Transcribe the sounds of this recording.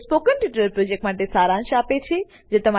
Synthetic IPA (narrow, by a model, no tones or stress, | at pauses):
spoːkənʈiʈɾəɾpɾoːd͡ʑek̚ʈmaːʈesaːɾãnʃaːpet͡ɕʰe | d͡ʑeːt̪ɐm̤a